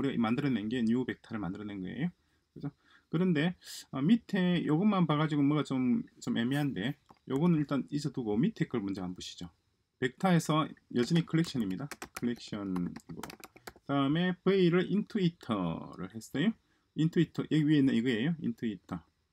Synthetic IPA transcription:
uɾiamandɯɾʌnenɡe̞ɲube̞k̚tʰaɾɯɭmandɯɾʌnenɡʌḛjo | kɯd͡ʑo | kɯɾʌnde̞ʌmitʰe̞joɡɯmanpaɡad͡ʑiɡomʌɡat͡ɕomt͡ɕome̞meɦande̞joɡɯnɯniɭt͈anid͡ʑʌtuɡomitʰek͈ʰɯɭmund͡ʑe̞manbuɕʰi̥d͡ʑo | pe̞k̚tʰae̞sʰʌjʌd͡ʑɯnikʰɯɭːe̞k̚ɕ͈ʰʌnimɲidakʰɯɭːe̞k̚ɕ͈ʌnɡo̰sʰaɾame̞peiɾɯɾʔintʰuitʰʌ̰ɾɯ̰ɭɦe̞s͈ʌjo | intʰuitʰʌʔiɥie̞nɯniɡɯejoḭntʰuitʰʌ

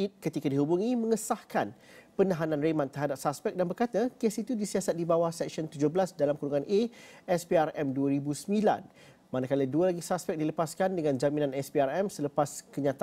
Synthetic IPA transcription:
it̪̚kət̪ikadiɦubuŋimə̃ŋəsahkan | pənaɦanãnremãnt̪əɾɦadap̚saspɛk̚danbərkat̪akesit̪udisiasat̪̚dibawahsɛk̚sənt̪ud͡ʒʊhbəlasdalamkuɾuŋãnʔeɛspiarɛmduaɾibusəmila̰n | manakalədualaɡisaspɛk̚diləpaskandəŋãnd͡ʒamĩnãnɛsbiarɛmsələpaskəɲãt̪a

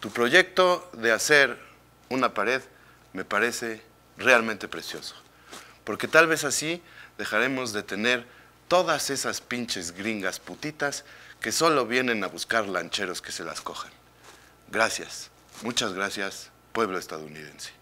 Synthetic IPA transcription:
t̪upɾo̞ʝe̞k̚t̪o̞ðe̞ase̞ɾ | unapaɾe̞ð | me̞paɾe̞se̞ | realmẽnt̪e̞pɾe̞sjo̞so̥ | po̞ɾke̞t̪alβe̞sasiðe̞xaɾe̞mo̞zðe̞t̪e̞ne̞ɾ | t̪o̞ðase̞saspint͡ʃe̞zɣɾiŋɡasput̪it̪aske̞so̞lo̞βje̞ne̞naβuskaɾlant͡ʃe̞ɾo̞ske̞̥se̞la̰sko̞xan | ɡɾasja̰s | mut͡ʃazɣɾasjas | pwe̞βlo̞est̪að̞ouniðe̞̰nse̥

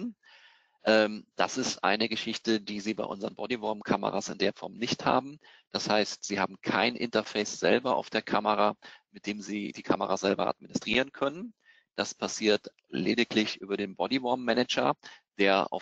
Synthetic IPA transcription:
n | ʔɛːmd̥asɪstʔa̰ɪnəɡəʃɪçtədiːziːba̰ɪʔʊ̰nzəɐʁənbɔdivɔɐmkʰamə̰ʁa̰sɪndeːɐfɔɐmnɪçtha̰ːbm̩ | d̥ashaɪstz̥iːhaːb̚m̩kʰaɪnʔɪ̰ntɐfɛɪsz̥ɛ̰lbɐa̰ʊfd̥eːɐkʰaməʁaːmɪt̚d̥eːmziːd̥iːkʰaməʁazɛlbɐ̰ʔa̰dminɪstʁ̥ḭːʁ̞ənkʰœnən | d̥aspʰasiːɐt | lḛːdɪklɪçʔyːbɐdeːnbɔdivɔɐmːɛnɛd͡ʒɐ̰d̥eːɐʔa̰ʊ

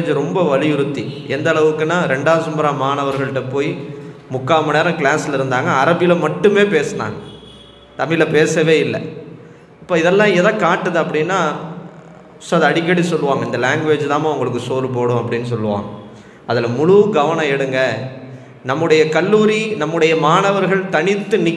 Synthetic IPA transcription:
d͡ʒɾɔmbɐʋɐlɪjɯɾɯt̪ːiɛnd̪ɐːɭɐʋɯkːɯnːaːɾɛɳɖaːsɐmbɐɾaːmaːɳɐʋɐɾɣɐɭɯʈːɐpːoːjimʊkːaːmɐneːɾɐ̃kɪɭaːsɪlɐɪɾɯnd̪aːŋɡɐɐɾɐbɪjɪlɐmɐʈːɯmeːpeːsɐna̰ːŋɡɐ | t̪ɐmːɪjɪlɐpeːsɐʋeːɪlːɛ̰ | ɐpːoːɪðɛlːãːɛðãːkaːʈːɐðɯɐpːɐɽɪnːaː | sɐðɯɐɽɪkːɐɽisɔlːɯʋaːŋɡɐɪnd̪ɐlaːŋɡʋeːd͡ʒt̪aːmːʊŋɡɐɭɯkːɯsoːlɯpoːɽʊ̃ɐpːɐɽɪnːɯsɔlːɯʋã̰ːŋɡɐ | ɐðɪlɐmʊɻʊɯɡɐʋɐɳɐ̃ɛɽɯŋɡɐ | nɐmːɯɽɐjɐkɐlːuːɾinɐmːɯɽɐjɐmaːɳɐʋɐɾɣɐɭt̪ɐɳɪt̪ːɯnɪ

